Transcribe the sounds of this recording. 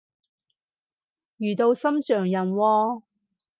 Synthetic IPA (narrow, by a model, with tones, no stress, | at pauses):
jyː˨˩t̪o˧wsɐ˥mt͡ʃœː˨˩ŋjɐ˨˩nwɔː˧